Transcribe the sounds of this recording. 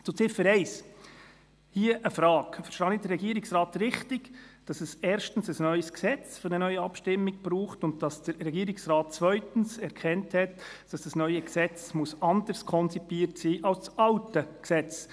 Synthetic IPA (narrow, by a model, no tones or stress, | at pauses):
t͡sʊt͡sɪfəɾɛɪs | hiəʔəfɾɑːkfəɾʃtɑːnidəɾɛɡiːəɾɪksrɑːtrɪχtɪɡd̥ɑsɛsɛːɾʃtən̩səsnœʏəsksɛt͡sfʏɾnənœʏəɑpʃtɪmːɪɡ̥b̥ɾuːχtʊnt̚d̥ɑsd̥əɾːɛɡiːɾɪksɾɑːt̚t͡sʋœʏtn̩sɛɾkʰɛnthɛtd̥ɑsd̥ɑsnœʏəksɛt͡smusɑndəɾskʰɔnt͡sipiːəɾtsiːʔɑlst͡sɑltəksɛt͡s